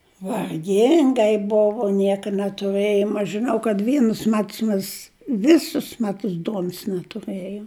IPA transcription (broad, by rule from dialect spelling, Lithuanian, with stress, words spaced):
ʋɐrʲˈɡʲɪŋɡɐɪ ˈboːʋoː ˈnʲiɛkɐ nʲɛtʊˈrɘjoːm ɐʃ ʒʲɪˈnɐʊ kɐt ˈʋʲiɛnʊs ˈmʲɛts ˈmʲeːs ˈʋʲɪsʊs ˈmʲæːtʊs ˈduɔnʊs nʲɛtʊˈrɘjoːm